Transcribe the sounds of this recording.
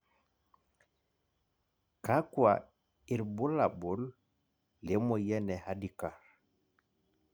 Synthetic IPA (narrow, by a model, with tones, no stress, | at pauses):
ka˦kwa | i˨ɾbu˦labɔ˦lː | e˦mɔ˨jɛ˦nɛ˨hadikaɾ